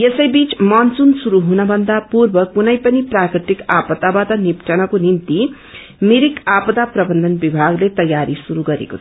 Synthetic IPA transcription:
esʌjbit͡smʌnt͡sunsuɾuɦunʌbʱʌnd̪apurbʌkunʌjpʌniprakriʈ̪ikapʌt̪abat̪ʌnipʈʰʌnʌkonint̪i | miɾikapʌt̪aprʌbʌnd̪ʱʌnbibʱaɡlet̪ʌjaɾisuɾuɡʌɾḛko̰t͡sʰʌ

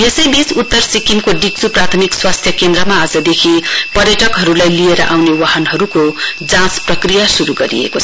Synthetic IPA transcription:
jesʌjbisut̪ːʌrsikinkoɖik̚t͡suprat̪ʰʌmikswast̪ʰjʌkend̪ɾʌmaːd͡zʌd̪ekʰipʌrjʌʈʌkɦʌɾulajlieɾʌʔawnewaɦʌnɦʌɾukod͡zãsprʌkrijasuɾuɡʌɾḭḛko

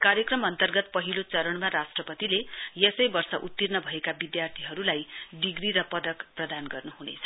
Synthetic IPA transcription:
kaɾjʌkrʌmʌnt̪ʌrɡʌt̪̚pʌɦilot͡sʌɾʌɳmaɾasʈrʌpʌt̪ilejesʌjbʌrsʌʔut̪ːirnʌbʱʌekabid̪jart̪ʰiɦʌɾulajɖiɡriɾʌpʌd̪ʌkprʌd̪anɡʌrnuɦunḛt͡sʰʌ̥

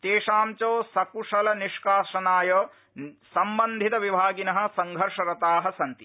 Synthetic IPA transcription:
t̪eːʂaːmt͡ʃoːsɐkuʂɐlɐniʂkaːʃɐnaːjoː | sɐmbɐnd̪ʱit̪ɐʋibʱaːɡinɐɦɐ̆sɐŋɡʱɐɾʂɐɾɐt̪aːɦɐsɐnt̪i

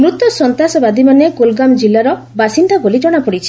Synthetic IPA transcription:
mɾut̪ɔsɔnt̪asɔbad̪imaneɡolɡamd͡ʒilːaɾɔ | basind̪abolid͡ʒɔɽ̃apɔɽit͡ʃʰi̥

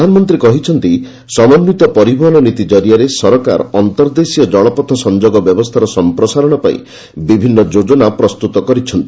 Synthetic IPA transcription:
anɔmɔnt̪ɾikɔɦit͡ʃʰɔnt̪i | sɔmɔnːit̪ɔpɔɾibʱɔɦɔnɔnit̪id͡ʒɔɾijaɾesɔɾka̰ɾɔɔnt̪ɔɾd̪esijɔd͡ʒɔɭɔpɔt̪ʰːɔsɔnd͡ʒoɡɔbjɔbɔst̪ʰaɾɔsɔmpɾɔsaɾɔɽ̃ɔpaḭ̃ | bibʱinːɔd͡ʒod͡ʒɔnapɾɔst̪ut̪ɔkɔɾit͡ʃʰɔnt̪i

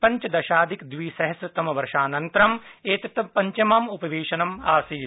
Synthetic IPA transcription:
pɐɲt͡ʃɐd̪ɐʃaːd̪ʱikd̪ʋiːsɐɦɐsɐt̪ɐmɐʋɐɾʃaːnɐnt̪ɾɐmeːt̪ɐt̪ːɐpɐɲt͡ʃɐmaːmupɐʋeːʃɐnɐmaːsiː

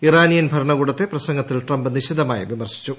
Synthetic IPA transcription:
iraːnijɐnbʱɐɾɐɳɐɣuːɽɐt̪ːe̞prɐsɐŋɡɐt̪ːilʈrɐmbɨniɕid̪ɐmaːjɐʋimɐrɕi̥t͡ɕːu

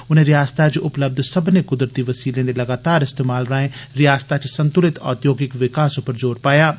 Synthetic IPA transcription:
ʊn̤ẽɾɪjaːst̪at͡ʃʊpləb̚d̪ʱsɐbnekʊd̪ɾət̪iʋɐsiːlẽd̪elɐɡaːt̪aːɾɪst̪eːmaːlɾaːẽɾɪjaːst̪at͡ʃsɐ̃nt̪ʊlɪt̪ɔ̰ːt̪joːɡɪkʋɪkaːsʊpəɾd͡ʒoːɾpaːjaː

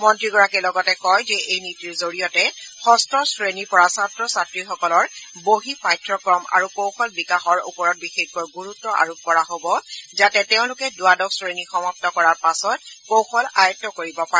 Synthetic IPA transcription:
mɔntɹiɡɔɹakɛlɔɡɔtɛkɔjzɛʔejnitiɹzoɹijɔtɛxɔstɹɔsɹenipɔɹasatɹɔsatɹixɔkɔlɔɹboɦipajtɹɔkɹɔma̰ɹukowxɔlbikaxɔɹṵpɔɹɔt̚bixeɡɔɡuɹutːɔʔa̰ɹup̚kɔɹaɦobɔzatɛteʊ̃lʊkɛdʊadɔksɹenixɔmɔp̚tɔkɔɹaɹpasɔt̚kowxɔla̰jɔtːɔkoɹibɔpaɛ

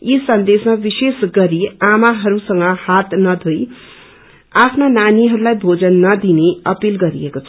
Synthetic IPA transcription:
isʌnd̪esmabisesɡʌɾiamaɦʌɾusʌŋɡʌhat̪nʌd̪ʱoj | apʰnonaniɦʌɾulajbʱod͡zʌnːʌd̪ineʌpilɡʌɾḭekot͡sʰʌ

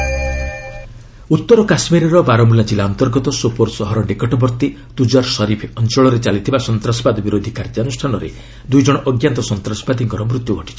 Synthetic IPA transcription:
ut̪ːɔɾɔkasmiɾɔɾɔbaɾɔmulad͡ʒilːaɔnt̪ɔɾɡɔt̪ɔsopoɾsɔɦɔɾɔɖekɔʈɔbɔɾt̪i | d̪̥ud͡ʒaɾsɔɾipʰɔnt͡ʃɔɭɔɾet͡ʃalit̪ʰibasɔnt̪ɾasɔbad̪ɔbiɾod̪ʱikaɾd͡ʒanusʈʰanɔɾḛ | d̪ujd͡ʒɔɽ̃ɔʔɔɡjant̪ɔsɔnt̪ɾasɔ̥bad̪ʱiŋkɔɾɔmɾut̪juɡɔʈi̥t͡ʃʰi̥

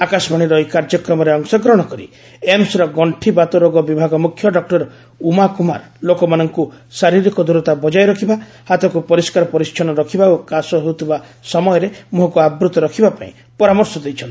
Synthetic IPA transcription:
akasbʱaɽ̃iɾɔjkaɾd͡ʒɔkɾɔmɔɾeɔŋsɔɡɾɔɽ̃ɔkɔɾḭ | emsɾɔɡɔɳʈʰibat̪ɔɾoɡɔbibʱaɡɔmukʰjɔɖɔk̚ʈɔɾ | umakuma̰ɾ | lokɔmanɔŋkusaɾiɾikɔd̪ʱuɾɔt̪abɔd͡ʒajɾɔkʰiba | hat̪ɔkupɔɾiskaɾɔpɔɾist͡ʃʰɔñɔɾɔkʰibaokasɔɦewt̪ʰibasɔmɔjɔɾemoɦɔkuabɾut̪ɔɾɔkʰibapa̰ḭ̃ | pɔɾamɔɾsɔd̪ejt͡ʃʰɔnt̪

